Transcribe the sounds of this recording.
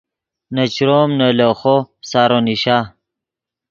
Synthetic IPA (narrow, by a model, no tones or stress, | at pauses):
nɐt͡ɕɾoːmnɐloxosaːɾoniɕaː